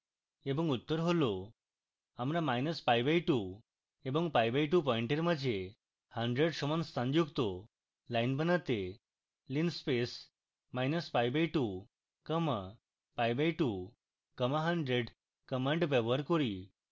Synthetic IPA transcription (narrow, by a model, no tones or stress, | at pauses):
ebə̃ŋɡut̪ːəɾɦolo | amɾãmajnəsfajbajʈu | ebə̃ŋɡpajbajʈupɔ̃iɳʈeɾməd͡ʑe | həɳɖɾeɽɕɔmənst̪ãɲd͡ʑukt̪o | lajnbənət̪e | linspes | majnəsfajbajʈu | kəma | pajbajʈu | kəmaɦəɳɖɾeɖ | kəmə̃ɳʈbeʋəɾkɔɾiː